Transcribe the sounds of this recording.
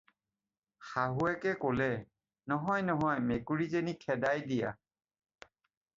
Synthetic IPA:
xaɦuɛkɛkolɛ | nɔɦɔjnɔɦɔjmekuɹizenikʰɛdajdija̰

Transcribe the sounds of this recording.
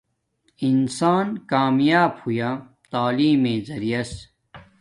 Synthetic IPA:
insaːnkaːmjaːbhujaː | t̪aːliːmẽːzɐɾijɐs

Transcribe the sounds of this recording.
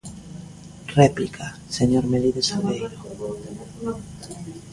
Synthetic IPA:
replikʰa | seɲoɾmeliðesalβejɾo

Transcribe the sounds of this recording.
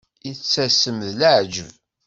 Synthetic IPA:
it͡sːæsəmðləʕd͡ʒə̰v

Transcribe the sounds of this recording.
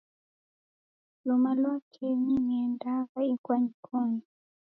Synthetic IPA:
lumalwakʰɛɲiniɛndaɣaikwaɲikʰɔni

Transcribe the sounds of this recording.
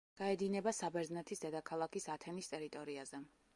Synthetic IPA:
ɡ̥aɛd̪inɛbasabɛɾznɛt̪ʰisd̪ɛd̪akʰalˠakʰisat̪ʰɛnist̪ʼɛɾit̪ʼɔɾiazɛ

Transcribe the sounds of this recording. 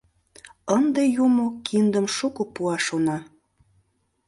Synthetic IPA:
ənd̪ejumokʰind̪əmʃukopuɑʃonɑ

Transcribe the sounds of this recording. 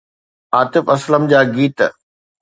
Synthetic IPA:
aːt̪ɪfɐsləmd͡ʑaːɡiːt̪

